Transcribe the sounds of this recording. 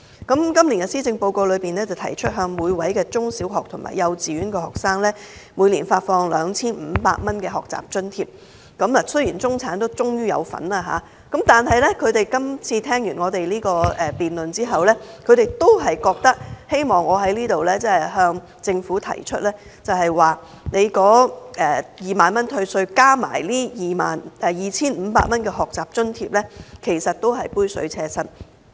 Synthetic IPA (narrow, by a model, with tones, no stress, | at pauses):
kɐ˨˥mkɐ˥mliː˨˩nɡɛ˧siː˥t͡sɪ˧ŋpo˧wko˧wlɵ˨˧ɥpiː˨nɛː˥t͡sɐ˨wt̪ʰɐ̰˨˩jt͡ʃʰɵ˥t̚ɦœː˧ŋmuː˨˧jwɐ˨˥jkɛː˧t͡sʊ˥ŋsiː˨˥wɦɔː˨k̚t̪ʰʊ˨˩ŋma̰ː˨˩jɐ˨˧wt͡siː˨ɥyː˨˥nkɛ˧hɔː˨˩k̚saː˥ŋlɛː˥mu˨˧jliː˨˩nfaː˧t̚fɔː˧ŋlœː˨˧ŋt͡sʰiː˥nm̩ː˨˧pa̰ː˧k̚mɐ˥nkɛː˧ɦɔː˨k̚t͡sa̰ː˨p̚t͡ʃɵ˥nt̪ʰiː˧p̚ | kɐ˨˥mlaː˨˩sɵ˥ɥjiː˨˩nt͡sʊ˥ŋt͡sʰaː˨˥nt̪o˥wt͡sʊ˥ŋjyː˥jɐ̰˨˧wfɐ̰˨˥naː˧ɦa̰ː˨˦ | kɐ˨˥mt̪aː˨nɦɐ˨jlɛ˥kʰɵ˨˧ɥt̪e˨jkɐ˥mt͡sʰiː˧t̪ʰɛː˥ŋjyː˨˩nŋɔː˨˧t̪e˨jliː˥kɔː˧ɛː˨piː˨nlɵ˨nt͡siː˥ɦɐ˨wlɛː˥kʰɵ˧ɥɾe˨˩jt̪o˥wɦɐ˨jkɔː˧k̚t̪ɐ˥k̚he˥jmɔː˨˩ŋɔː˨˧ɦɐ˨˥jliː˥t̪o˨wlɛː˥t͡sɛː˥ɛ˨ɦœː˧ŋ | t͡sɪ˧ŋfuː˨˥t̪ʰɐ̰˨˩jt͡ʃʰɵ˥t̚lɛː˥ | t͡sɐ˨wɦɐ˨jwaː˨ | ne˨˧jkɔː˨˥ʔɛː˨jiː˨maː˨nmɐ˥nt̪ʰɵ˧ɥsɵ˧ɥkaː˥ma̰ː˨˩jliː˥jiː˨˩ma̰ː˨nʔɛː˨jiː˨t͡sʰiː˥nm̩˨˧pa̰ː˧t̚mɐ˥nkɛː˧ɦɔː˨˩k̚t͡saː˨p̚t͡ʃɵ˥nt̪ʰiː˧p̚lɛː˥kʰe˨˩jsɐ˨t̚t̪o˥wɦɐ˨jpuː˥jsɵ̰˨˧˥ɥt͡sʰɛː˧sɐ˥t